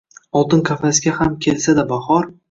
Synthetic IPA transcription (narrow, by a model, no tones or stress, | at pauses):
ɒlˠt̪ɪnkʰʲafasɡʲahamkʲʰelsad̪abahɒɾ